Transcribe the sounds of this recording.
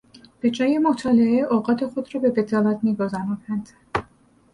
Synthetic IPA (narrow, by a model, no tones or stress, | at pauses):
b̥e̞d͡ʒɒːjemot̪ʰɒːleeʔoːɢɒːt̪ʰe̞xod̪ɾɒːbe̞bed̪ɒːlæt̪miːɡozænuːd̪ænd̪̥